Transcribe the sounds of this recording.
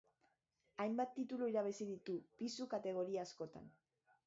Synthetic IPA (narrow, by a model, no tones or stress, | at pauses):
ajmbat̪ːit̪uluiɾaβ̞esiðit̪upisukat̪e̞ɣ̞o̞ɾiaːsko̞t̪a̰n